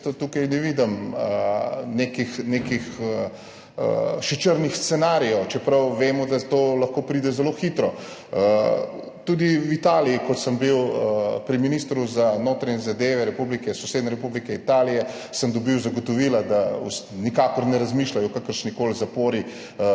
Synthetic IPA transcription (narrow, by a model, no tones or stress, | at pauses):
t̪ɔt̪uːkɐjnɛʋid̪əmənekixnekix | ə̰ʃit͡ʃəɾnixst̪sɛnaːɾijɛwt͡ʃɛpɾɐwʋeːmɔd̪at̪oːlɐxkoːpɾid̪ɛzɛloːxit̪ɾɔ | t̪ud̪iwit̪aːlijikɔt̪səmbiwpɾiminist̪ɾuzanot̪ɾaɲɛzad̪eːʋɛɾɛpublikɛsɔsed̪nɛɾɛpublikɛit̪aːlijɛ | səmd̪ɔbiwzɐɡɔt̪ɔʋiːlad̪aṵsnikakɔɾnɛɾɐzmiːʃlajɔkakəɾʃnikoːlzapoːɾi